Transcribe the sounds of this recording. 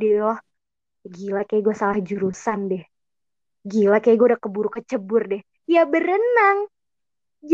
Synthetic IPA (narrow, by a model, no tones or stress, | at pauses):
di | ɡilakajaɡuasalahd͡ʒuɾusandɛh | ɡilakajaɡuadakəbuɾukət͡ʃəbʊrdɛh | jabəɾənaŋ | d͡ʒ